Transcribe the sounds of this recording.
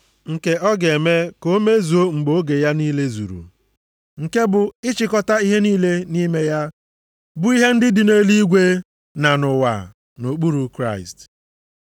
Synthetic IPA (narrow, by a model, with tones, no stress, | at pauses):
ŋ̩˨ke˨ɔ˦ɡe˨me˦ko˦me˦zu˨o˦ŋ͡m̩˨ɡ͡bo˦ɡe˨ja˦niː˦le˦zṵ˨ɾṵ˨ | ŋ̩˨ke˦bʊ˨ɪ˦t͡ʃɪ˨kɔ˦ta˦i˦ɦe˦niː˦le˦ni˦me˦ja˦ | bʊ˦i˦ɦe˦n̩˦dɪ˦dɪ˨ne˦li˦ɡʷe˦ | na˨nʊ˨wa̰˨ | no˨k͡pu˦ɾu˨kɾa˦˨ɪ̰˨st